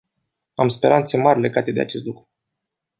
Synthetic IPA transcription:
amspe̞ɾant̪se̞marʲle̞ɡat̪e̞d̪ea̰t͡ʃe̞st̪lukɾu

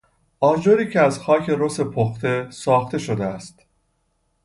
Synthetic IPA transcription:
ʔɒːd͡ʒoɾiːcʰeæzxɒːcʰe̞ɾose̞pʰoxt̪e̞sɒːxt̪e̞ʃod̪eæst̪

